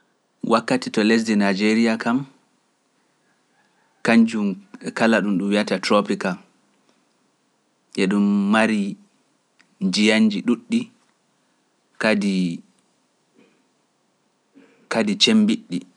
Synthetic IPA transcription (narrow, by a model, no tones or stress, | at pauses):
wʔakːatitɔles̬dinad͡ʒeɾijakʰam | kaɲd͡ʒumɛkalaɗumɗumwijatatɾopika | ʔɛɗumːaɾi | nd͡ʒijaɲd͡ʒiɗuɗːi | kdi | kadit͡ʃembiɗːi